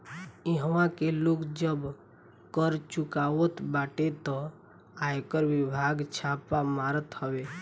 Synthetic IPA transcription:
iɦəʋãkelokd͡ʒəb | kəɾt͡ʃukawət̪baʈet̪ɔ | ajkəɾʋibʱaɡt͡ʃʰapamaɾət̪həwe

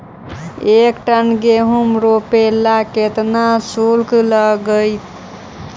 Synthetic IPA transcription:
ekʈənɡeɦumɾopelaket̪nasulkləɡəjt̪

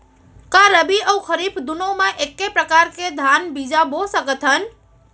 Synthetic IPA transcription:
kaɾəbiəwkʰəɾipʰd̪unomãʔekːepɾəkaɾked̪ʱanbid͡ʒabosəkət̪ɦən

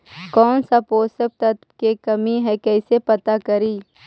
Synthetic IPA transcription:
kɔːnsapoːsək̚t̪ɐt̪kekɐmiɦɛkɛːsepɐt̪akɐɾiː

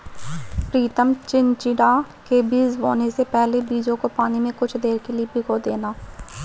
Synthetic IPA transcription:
pɾiːt̪əmt͡ʃɪnt͡ʃɪɽa | kebiːzʋo̰ːnesepɛɦlebiːd͡ʒõkopaːnimẽkʊt͡ʃʰd̪eːɾkeliebʱɪkod̪eːnaː

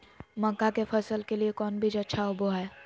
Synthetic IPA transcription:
mə̃kːakefʰɐsəlkeliekɔːnbʱid͡ʒɐtːʃʰaʊboɦɛː

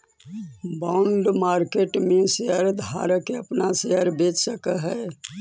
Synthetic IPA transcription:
bãːʊɳɖmaːɾkeːʈmẽseɦəɾd̪ʱa̰ːɾəkeəpnaseɦəɾbeːt͡ʃsəkəɦɛ

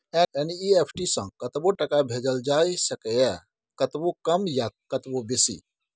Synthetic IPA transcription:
ɛɛniiepʰʈisə̃kət̪boʈəkabʱed͡ʒəld͡ʒajsəkɛɛ | kət̪bokəmjakət̪bobesḭ

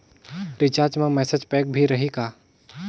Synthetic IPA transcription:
ɾɪt͡ʃaːɾd͡ʒmẽmɛːsed͡ʒpɛːk̚bʱiɾɐɦikaː

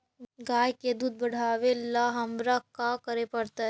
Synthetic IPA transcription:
ɡaːjked̪uːd̪̚bəɽ̤aːʋelaɦɐmɾakakəɾepəɽt̪a

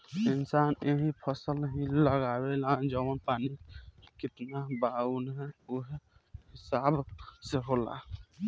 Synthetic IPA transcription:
ɪnsaneɦĩpʰəsəlɦĩləɡabeland͡ʒəwənpanikɪt̪nabaunɦɛuɦhɪsabʱseɦola̰

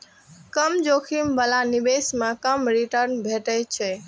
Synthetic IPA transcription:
kəmd͡ʒokʰimbəlanibesmakəmɾiʈəɾnbʱeʈət͡ʃʰɛ

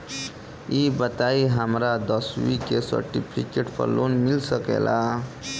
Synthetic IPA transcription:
ibət̪aiɦəmɾad̪əswḭkesə̰ɾʈḭpʰikeʈpʰə̰ɾlonmilsəkḛlʔa

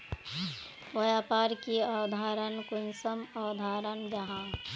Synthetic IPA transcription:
ʋɐjaːpaːɾkiaːd̪ʱaːɾənkʊnsəmaːd̪ʱaːɾənd͡ʒɐɦãː

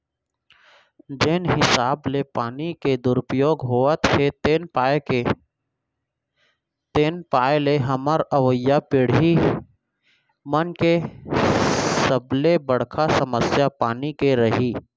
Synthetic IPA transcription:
d͡ʒeːnɦɪsaːblepaːniked̪ʊɾʊpɾjoːɡɦoːət̪het̪ːnpaee | t̪eːnpaːeleɦəməɾəʋəjːapɪɽɦi | mənke | səblebəɽ̤kʰasəməsjapaːnikeɾəɦiː

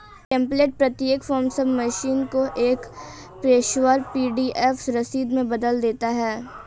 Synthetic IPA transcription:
kɛ̃ːmpleːʈ̚pɾɐt̪jeːkfɔːɾmsəbmɐʃiːnkoʔeːk | pɾeːʃwəɾpiːɖiʔɛfsɾɐsiːd̪mẽbɐd̪əld̪eːt̪aɦɛː

